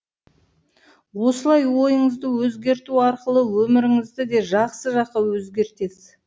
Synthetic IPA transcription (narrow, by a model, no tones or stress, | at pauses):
wo̞səlˠɑjwo̞jəɴəzd̪əwɵzɡʲe̞ɾt̪uɑɾqəlˠəwɵmɪɾɪŋɪzd̪ɪd̪e̞ʒɑqsəʒɑq̚qɑwɵzɡʲe̞ɾt̪esɪ